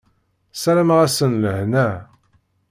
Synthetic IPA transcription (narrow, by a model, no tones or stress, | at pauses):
sæɾæməʁæsənləhnæ